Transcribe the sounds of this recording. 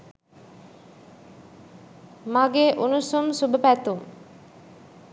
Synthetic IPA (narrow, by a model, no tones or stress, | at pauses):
maɡeʔunusumsubəpæt̪um